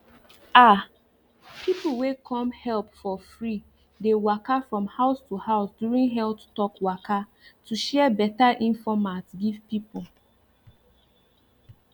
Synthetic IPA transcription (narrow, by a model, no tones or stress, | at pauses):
a | pʰipl̩wekʰɔ̃mhɛlpfɔfɹi | dewakafɹɔ̃mhaʊstuhaʊsdjuɹĩnɦɛlttɔkwaka | tʰuʃɛbɛtaʔĩnfɔmatɡivpip̩